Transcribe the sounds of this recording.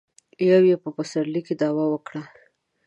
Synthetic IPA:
jawjepəpəsaɾliked̪ɑwawəkɽa

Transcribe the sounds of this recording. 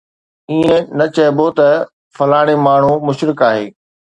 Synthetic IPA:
iːẽnɐt͡ɕɐɦɪbot̪ɐ | fɐlaːɽ̃emaːɳ̤umʊʃɾɪkaːɦḛː

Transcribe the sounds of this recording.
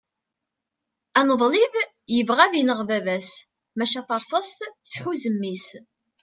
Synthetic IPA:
ænəðˤliv | jəvʁæðinəʁvævæs | mæʃæθɑɾˤsˤɑst̪θθħuzəmːis

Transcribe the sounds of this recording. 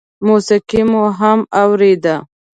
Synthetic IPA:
musɪqimuɦamawɾed̪a

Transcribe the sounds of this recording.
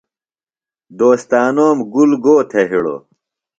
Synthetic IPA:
d̪oːst̪aːnoːmɡulɡoːt̪ʰeɦiɽo̰

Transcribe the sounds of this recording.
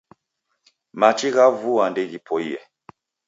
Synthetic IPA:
mat͡ʃiɣavuandɛɣipɔiɛ̰

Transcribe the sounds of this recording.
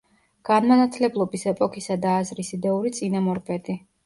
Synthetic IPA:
ɡ̥anmanat̪ʰlɛblˠɔbisɛpʼɔkʰisad̪aːzɾisid̪ɛuɾit̪sʼinamɔɾpʼɛd̪ʼi

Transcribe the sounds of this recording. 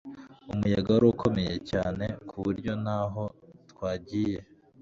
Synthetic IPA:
umujaɡaɾokʰo̞me̞je̞caːne̞kʰuβuɾɟo̞naɦo̞tkwaːɟiːje̞

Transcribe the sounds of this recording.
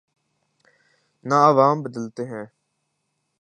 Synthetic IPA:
naəʋaːmbəd̪əlt̪eːɦɛ̃ː

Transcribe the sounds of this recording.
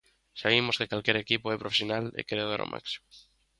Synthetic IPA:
saβ̞imoskekalkjeɾekipoepɾofesjonalḛkeɾea̰ɾo̰mʔa̰ksi̥mo

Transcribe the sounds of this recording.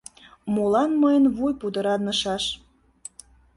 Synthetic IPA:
mulɑnməjənβujpud̪əɾɑnəʃɑʃ

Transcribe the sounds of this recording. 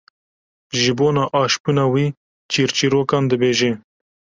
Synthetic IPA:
ʒibonaʔɑʃpunawi | t͡ʃiɾt͡ʃiɾokand̪əbeʒe

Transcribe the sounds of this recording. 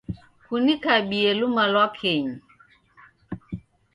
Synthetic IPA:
kunikaɓielumalwakʰeɲ

